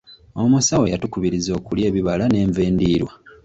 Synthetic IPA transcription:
omusawe̞jatukuβiɾizo̞ːkulje̞ːβiβalane̞ːɱve̞ːndiːɾwa

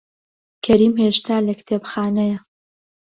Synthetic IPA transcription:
kʰɐɾiːmheʃt̪ʰaːlɐkt̪ʰeːbxaːnɐjɐ

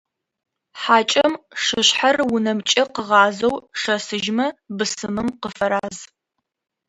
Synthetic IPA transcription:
ħaːt͡ʃʼɐmʂɨɕħarwʊnɐmt͡ʃʼɐqəʁɑːzɐwʂɐsɨʒmɐbɨsɨmɨmqəfɐɾaːz

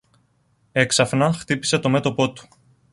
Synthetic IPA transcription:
e̞ksɐfnɐxt̪ipi̥se̞t̪o̞me̞t̪opo̞t̪u̥

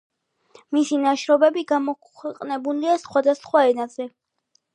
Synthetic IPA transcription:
misinaʃɾɔbɛbiɡamɔkʰɛqʼnɛbuliasχwad̪asχwaɛnazɛ

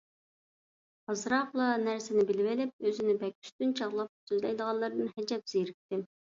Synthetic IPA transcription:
hɑzɾɑqlˠɑnæɾsɪnɪbɪlɪvɪlɪp̚øzɪnɪbɛkʲy̥st̪ynt͡ʃʰɑʁlˠɑp̚t̪yzlɛjd̪əʁɑlːˠɨɾɨd̪ɨnhɛd͡ʒɛp̚z̥ejɾɪk̚ʲt̪ɪ

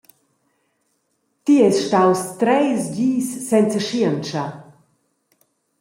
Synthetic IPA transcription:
t̪iɛsʃtawst̪ɾɛjsd͡ʑiːsːɛnt͡səʃiənt͡ʃa

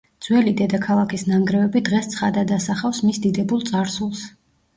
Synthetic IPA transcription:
d̪z̥wɛlid̪ɛd̪akʰalˠakʰisnaŋɡɾɛvɛbid̪ʁɛst̪sʰχad̪ad̪asaχafsmisd̪id̪ɛbulˠt̪sʼaɾsulˠs

